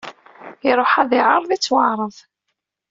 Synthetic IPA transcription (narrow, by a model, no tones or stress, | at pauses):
ɪɾˤoħaðɪʕəɾˤðit͡sːwɑʕɾˤəðˤ